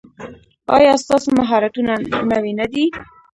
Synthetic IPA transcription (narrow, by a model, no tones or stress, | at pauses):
ɑ̰jɑst̪ɑsomaɦɑɾat̪unanawenad̪i